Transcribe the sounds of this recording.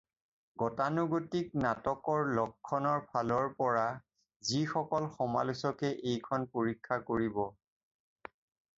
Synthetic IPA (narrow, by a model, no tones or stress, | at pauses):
ɡɔtanuɡotik̚natɔkɔɹlɔkʰːɔnɔɹpʰalɔɹpɔɹa | zixɔkɔlxɔma̰lusɔkɛʔejkʰɔnpoɹikʰːakoɹibɔ